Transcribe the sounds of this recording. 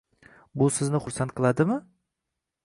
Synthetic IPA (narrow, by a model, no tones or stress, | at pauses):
bʊsɪznɪχʊɾsant̪̚qʰɨlˠad̪ɪmɪ